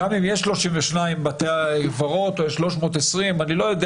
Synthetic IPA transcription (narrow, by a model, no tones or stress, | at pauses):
amimjeʃlo̞ʃiɱveʃnaimbat̪eaɡvaʁo̞t̪ojeʃlo̞ʃmo̞ːt̪esʁimanilo̞jod̪ɛ